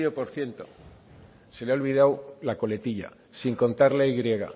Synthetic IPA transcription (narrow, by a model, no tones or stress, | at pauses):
opo̞ɾθje̞nt̪o̞ | se̞leaolβið̞awlako̞le̞t̪iʎa̰ | siŋko̞nt̪aɾlejɣɾje̞ɣa̰